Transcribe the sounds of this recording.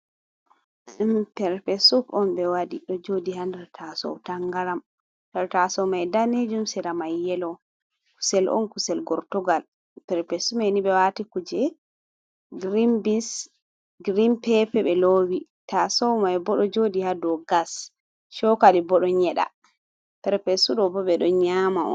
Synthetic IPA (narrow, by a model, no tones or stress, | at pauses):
pɛɾpɛsufɔnbɛwadiɗɔd͡ʒodiɦandɛɾtʰasɔ̰wtaŋɡaɾam | taɾtasɔwmajdaned͡ʒumsɛɾamajːɛlɔ | ku̥sɛlʔɔ̰nkusɛlɡɔɾtɔɡal | pɛɾpɛsumheniɓɛwatikud͡ʒɛ | ɡɾimbis | ɡɾimpɛpɛɓɛlowitasɔwmajbɔɗɔd͡ʒodihadɔɡas | ʃɔkalibɔɗɔɲɛɗa̰ | pɛɾpɛsuɗɔbɔɓɛɗɔɲamaɔ̰n